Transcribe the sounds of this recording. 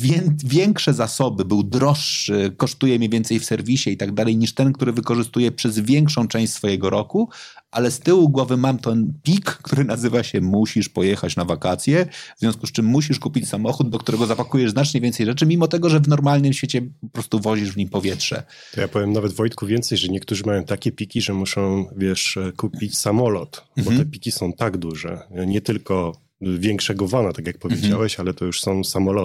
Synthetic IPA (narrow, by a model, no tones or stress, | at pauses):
vʲjɛnvʲjɛŋkʂɛzasɔbɘbɘwd̪ɾɔʂːɘkɔʂt̪ujɛmʲivʲɛnt̪sɛjfsɛɾvʲiɕɛit̪aɡd̪alɛjɲiʂt̪ɛnk̚t̪uɾɘvɘkɔʐɘst̪ujɛpʂɛzvʲjɛŋkʂɔ̃w̃t͡ʂɛ̃ɕt͡ɕ̪ʲsfɔjɛɡɔɾɔkuʔalɛst̪ɘwuɡwɔvɘmamt̪ɛnpʲikːt̪uɾɘnazɘvaɕɛmuɕiʂpɔjɛxat͡ɕnavakat̪sʲjɛvz̥ʲjɔ̃skust͡ʂɘmːuɕiʂkupʲit͡ɕsamɔxud̪̚d̪ɔkt̪uɾɛɡɔzapakujɛʐznat͡ʂɲɛvʲɛnt̪sɛjʐɛt͡ʂɘmʲimɔt̪ɛɡɔʐɛvnɔɾmalnɘmɕfʲet͡ɕɛpɔpɾɔst̪uvɔʑiʐvɲimpɔvʲjɛtʂɛ̰ | t̪ɔjapɔvʲjɛmnavɛd̪vɔjt̪kuvʲjɛnt̪sɛjʐɛɲɛk̚t̪uʐɘmajɔ̃w̃t̪akʲɛpʲikʲiʐɛmuʂɔ̃w̃vʲjɛʂkupʲit͡ɕsamɔlɔt̪bɔt̪ɛpʲikʲisɔ̃w̃t̪aɡd̪uʐɛ̰ɲɛt̪ɘlkɔ | vʲjɛŋkʂɛɡɔvɔnat̪akʲjak̚pɔvjed͡ʑawɛɕalɛt̪ɔjuʂsɔ̃w̃samɔlɔ